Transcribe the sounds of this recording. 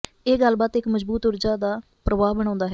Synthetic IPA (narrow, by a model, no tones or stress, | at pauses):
eːɡəlbaːt̪ɪkməzbuːt̪ʊɾd͡ʒaːd̪aː | pɾəʋaːbəɽ̃ãːnd̪aːɦɛː